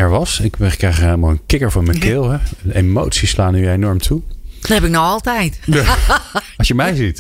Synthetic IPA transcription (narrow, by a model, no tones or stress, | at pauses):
ɛɹʋɑsɪkbɛχəkrɛjχeləmalˠənkɪkəɹvɑnməkɪlˠɦɛdəʔemowtsislaːnyenɔɹmtʰudnɦɛpɪk̚nɔχɑlˠtɛjt | ɑʃjəmɛjzit